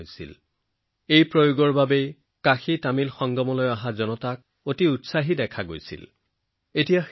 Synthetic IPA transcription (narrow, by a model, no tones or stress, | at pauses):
jsḭl | ejpɹojoɡɔɹbabej | kaxitamilxɔŋɡɔmɔlɔjaɦazɔnɔtak̚ | otiutsaɦidɛkʰaɡojsḭl | etijax